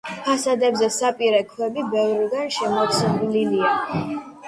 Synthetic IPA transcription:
pʰasad̪ɛbzɛsapʼiɾɛkʰwɛbibɛvɾiɡanʃɛmɔt̪sʰnlilia

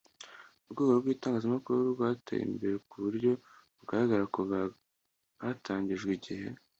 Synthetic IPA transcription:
uβɡweɡobɡwiːtaːŋɡaːzamakuɾuɾubɡwaːtʰa̰jḭmbe̞ɾekuβuɾɟo̞βuɡaɾaɡaɾakoβa | βataːɲɟiʒɡwiɟihe̞̰

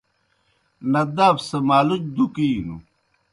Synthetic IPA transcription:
nɐd̪aːfsɐmaːlut͡ɕd̪ukiːnṵ

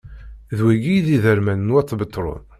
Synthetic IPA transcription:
ðwæɡijðiðəɾmænnwæt͡sːbət̪ˤːɾˤʊ̰n

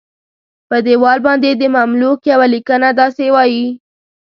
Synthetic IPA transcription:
pəd̪ewɑlbɑnd̪ed̪əmamlukjawalikənad̪ɑsewɑji

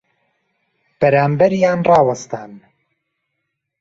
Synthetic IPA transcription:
b̥ɛɾaːmbɛɾjaːnrɑːwɐst̪aːn

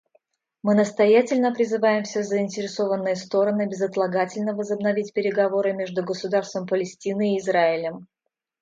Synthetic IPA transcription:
mɨnəst̪ɐjætʲɪlʲnəpɾʲɪzɨvajɪmfsʲezəɪnʲtʲɪɾʲɪso̞vənːɨjəst̪o̞ɾənɨbʲɪzət̪lˠɐɡatʲɪlʲnəvəzəbnɐvʲitʲpʲɪɾʲɪɡɐvo̞ɾɨmʲe̞ʐd̪ʊɡəsʊd̪arst̪vəmpəlʲɪsʲtʲinɨːzraɪlʲəm

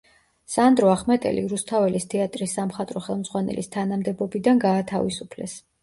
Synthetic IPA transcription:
sand̪ɾɔaχmɛt̪ʼɛ̰lʔḭɾust̪ʰavɛlist̪ʰɛat̪ʼɾisːamχat̪ʼɾɔχɛlˠmz̥ʁwanɛ̰list̪ʰanamd̪ɛbɔbid̪anɡaːt̪ʰavisupʰlɛ̰s

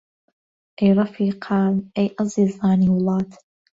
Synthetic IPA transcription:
ʔɛjɾˤɑfiːqʰɑːnʔɛjʔɑzˤiːzˤɑːniːwlˠɑːt̪

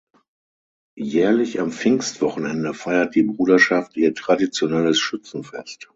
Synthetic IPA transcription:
jɛːɐlɪçamfɪŋstv̥ɔχn̩ɛndəfaɪɐt̚d̥iːbʁuːdɐʃaftiːɐtʁ̥adit͡sjonɛləsʃʏt͡sn̩fɛst

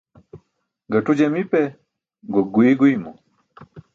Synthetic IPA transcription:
ɡatud͡ʒɛmipɛ | ɡɔɡwiɡwimɔ

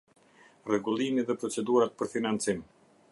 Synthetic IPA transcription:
rɛɡulˠimiðɛpɾɔt͡sɛd̪uɾat̪̚pəɾfinant͡sim

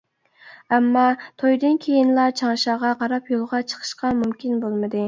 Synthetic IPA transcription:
ɛmːɑt̪ʰojd̪ɨnkʲʰejinlˠɑt͡ʃʰɑŋʃɑʁɑqɑɾɑpjolˠʁɑt͡ʃʰə̥qʰə̥ʃqɑmumkʲinbolˠmɨd̪ɨ

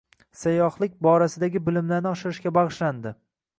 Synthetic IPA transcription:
sajɒhlˠɪk̚ʲbɒɾasɪd̪aɡʲɪbɪlɪmlaɾnɪɒʃɪɾɪʃɡʲabɑʁɨʃland̪ɪ

